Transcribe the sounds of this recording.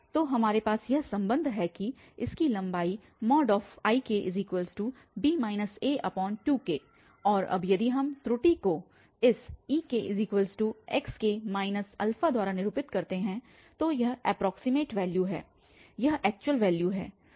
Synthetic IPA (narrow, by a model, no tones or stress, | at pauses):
t̪oːɦɐmaːɾepaːsjɐɦsɐ̃mbə̃nd̪ʱɦɛki | ɪskilɐ̃mbaːi | mɔːɖɔːfaːikeʔɪ̰ziːkwəlzʈuː | biːmaːɪnəseːʔɐpɔːnʈuːkeː | ɔːɾɐ̰bjɐd̪iɦɐmt̪ɾʊʈiko | ɪsiːkeʔɪziːkwəlzʈuːɛkskemaːɪnəsɐ̰lfad̪ʱaːɾanɪɾuːpɪt̪kɐɾt̪eɦɛ̃ | t̪ojɐɦɛ̰ːpɾɔːksɪmeːʈʋɛːljuɦɛ̰ː | jɐɦɛːk̚t͡ʃʊwəlʋɛːljuɦɛ̰ː